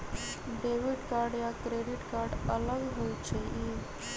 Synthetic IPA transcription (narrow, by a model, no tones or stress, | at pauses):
ɖewiɖkaːɾɖjakɾeɖiʈkaːɾɖələɡɦojt͡ʃʰei